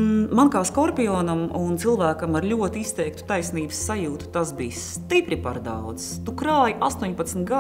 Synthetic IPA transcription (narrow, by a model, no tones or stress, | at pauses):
mankaːskɔɾpʲiɔːnamunt̪silˠvæːkɐmaɾlʲuɔt̪iist̪ɛjk̚t̪u̥t̪ajsniːbsːajuːt̪u̥t̪asbiːs | t̪ipɾipa̰ɾd̪a̰wd̪st̪ukɾaːjʔast̪uɔɲpat̪smt̪ɡa